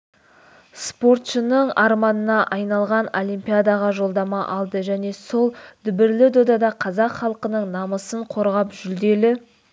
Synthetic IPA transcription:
spo̞rt̪ʃənəɴɑɾmɑnənɑʔɑjnɑlˠʁɑno̞lʲimpʲijad̪ɑʁɑʒo̞lˠd̪ɑmɑʔɑlˠd̪əʒæne̞so̞lˠd̪̥ʏbɪɾlɪd̪od̪ɑd̪ɑqʰɑzɑqχɑlˠəqənəɴnɑməsəɴqʰo̞ɾʁɑpʒʏld̪e̞lɪ

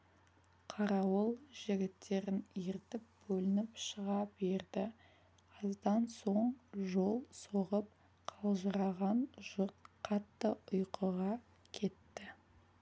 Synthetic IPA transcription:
qʰɑɾɑwəlˠʒ̥ɪɡʲɪt̪ʰːe̞ɾɪneɾɪt̪ɪp̚bɵlɪnɪpʃəʁɑbe̞ɾd̪ɪ | qʰɑzd̪ɑnso̞ɴʒo̞lˠsoʁəp̚ | qʰɑlˠʒəɾɑʁɑnʒ̥ʊɾt̪̚qʰɑt̪ːəʊjqəʁɑ | kʲʰe̞t̪ːɪ

